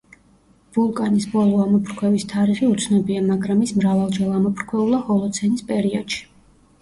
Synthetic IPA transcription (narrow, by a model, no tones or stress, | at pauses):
v̥ulˠkʼanisbɔlˠɔamɔpʰɾkʰwɛvist̪ʰaɾiχiut̪sʰnɛbiamaɡɾamismɾavalˠd͡ʒɛlˠamɔpʰɾkʰwɛulˠaχɔlˠɔt̪sʰɛnispʼɛɾiɔd̪̥ʃi̥